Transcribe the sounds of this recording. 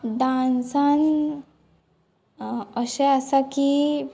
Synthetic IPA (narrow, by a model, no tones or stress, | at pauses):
d̪ãnsan | əɕeasaki